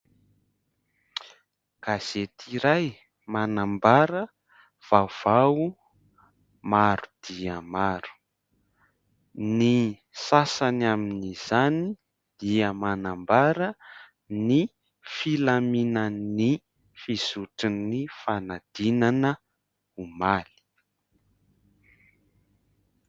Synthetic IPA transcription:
kaz̥et̪ʰiɾaj | manambaɾə | v̥av̥au | maɾu̥d̪̥iəmaɾu̥ | ni | sasanaminiz̥ani | d̪̥iəmanambaɾə | ni | filaminəni | fiz̥uʈ͡ʂinifanad̪̥inanə | umali̥

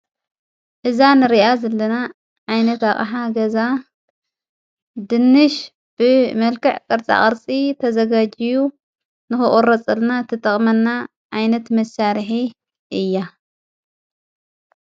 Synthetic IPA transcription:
ʔɨzanɨɾiʔazɐlːɐna | ʕajnɐt̪aχʼħaɡɐza | d̪ɨnːɨʃ | b̥ɨmɐlkɨʕkʼɨɾt͡sʼa̰χʼɐɾt͡sʼit̪ʰɐzɐɡad͡ʒiju | nɨxɨχʼoɾɐt͡sʼɨlnat̪ʰɨt̪ʼɐχʼmɐnːa | ʕajnɐt̪mɐsaɾħi | ʔɨjːa

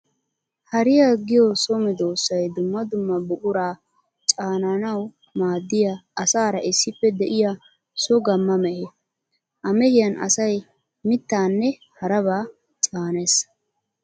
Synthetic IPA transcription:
hɐɾɪjaɡɪjɔsɔmɛd̪o̞ːsːɐjd̪ʊmːɐd̪ʊmːɐbʊʔʊɾaː | t͡ʃʼaːnɐnɐw | maːd̪ːɪjaɐsaːɾɐʔɪsːɪpːɛd̪ɛʔɪja | sɔɡɐmːɐmɛʔe | ʔɐmɛhɪjɐnɐ̰sɐj | mɪt̪ːaːnːɛ | hɐɾɐβaː | t͡ʃʼaːnes

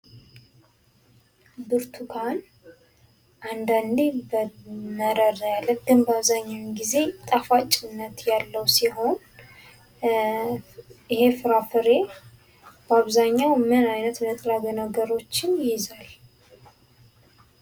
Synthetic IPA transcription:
bɨɾt̪ʰukʰan | ʔand̪and̪ebəməɾəɾjalːəɡ̥ɨnbəaβzaɲːawɡize̞t̪ʼafat͡ʃʼɪnːət̪jalːəwsiɦo̞n | ɪhe̞fɨɾafɨɾe̞ | bəaβzaɲːawmɨnajnət̪nət̪ʰʼɾaɡənəɡəɾo̞t͡ʃːɪnjɪjɪzal

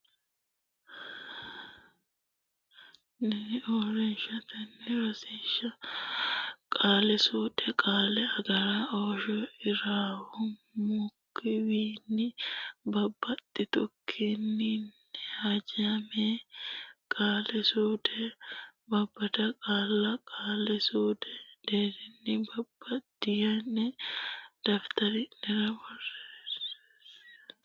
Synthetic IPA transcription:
nɪɔɾɛnʃɐt̪ɛnːɪɾɐsɪnʃɐ | kʼaːlɛsuːᶑ̪ʼɛkʼaːlɛɐɡɐɾaːoːʃɔɪɾaːhɔmʊkːɪwiːnːɪbɐbːɐt̪ːɪt̪ɔkʰːinːɪn | ɛhad͡ʒɐme | kʼaːlɛsuːd̪ɛbɐbːɐt̪ɐkʼaːlːɐkʼaːlɛsuːd̪ɛd̪eːɾɪnːɪbɐbːɐt̪ːɪjɐnɛ | d̪̥ɐft̪ɐɾɪnɛɾɐbɔrːes

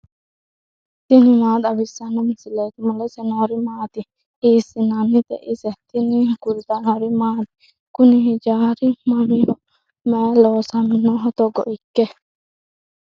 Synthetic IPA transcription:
t̪inimaːd̪ɐbisanomisilet̪imulesenoɾimaːt̪i | iːsinanːit̪ḛʔiset̪iniɦkult̪anoɾimaːt̪i̥ | kuniɦid͡ʒaːɾimamiɦo | mɛloːsaminːoɦɔt̪oɡo̰ʔikːe

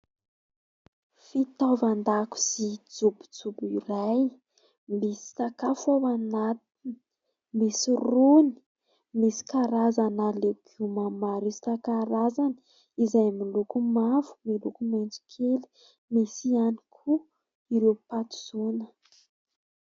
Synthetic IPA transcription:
fit̪avand̪aku̥z̥id͡zubud͡zubiɾaj | misi̥sakafowanat̪ini̥ | misiruni̥ | misi̥kaɾazanalekumamaɾust̪akaɾazani̥ | izajmilukumavu̥milukumend͡zu̥kʰeli̥ | misianikʰu | iɾewpat̪u̥z̥unə

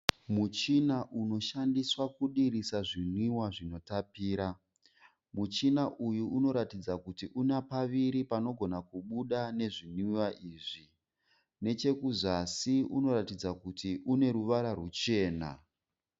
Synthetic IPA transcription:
mut͡ʃinaʔuno̞ʃandiswakuɗirisaʐiniwaʐino̞tapiːɾa | mut͡ʃinaʔujuuno̞ɾatid͡zakutiʔunapaʋiɾipano̞ɡʱo̞nakuɓuɗane̞ʐiniwaʔiːʐi | ne̞t͡ʃe̞kuzasiuno̞ɾatid͡zakutiʔune̞ɾuʋaɾarut͡ʃe̞ːna̰

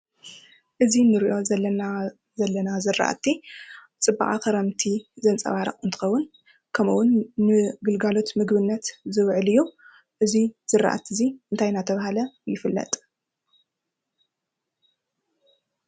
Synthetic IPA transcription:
ʔɨzinɨɾiʔo̞na | zɐlːɐnazɨra̰ʔa̰t̪ʰːi | t͡sʼɨbːa̰χʼa̰kɐɾɐmt̪ʰizɐnt͡sʼɐ̰βaɾɐ̰χʼɨnt̪ʰɨ̥xɐwːʊn | kʰɐmṵwʊnːɨɡɨlɡalo̞t̪mɨɡbɨnːɐt̪zɨβʕɨlɨjːu | ʔɨziz̥ɨrːa̰ʔa̰t̪ʰːiziʔɨnt̪ʰajnat̪ʰɐβahalɐjɪfɨlːɐ̰t̪ʼ

